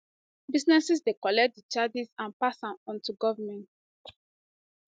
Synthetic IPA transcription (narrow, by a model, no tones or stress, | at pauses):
biznɛsisdekɔlɛk̚t̚dət͡ʃad͡ʒizãnpasãmɔ̃ntuɡɔvəmɛ̃nt